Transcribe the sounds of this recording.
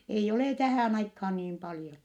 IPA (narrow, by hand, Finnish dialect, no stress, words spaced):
eij oleˑ tæhæˑn ɑikhɑːn niːm pɑljon